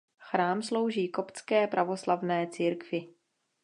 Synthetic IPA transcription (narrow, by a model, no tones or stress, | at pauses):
xɾaːmslo̞wʒiːkopt͡skɛːpɾʔavoslavnɛːt͡siːɾkvɪ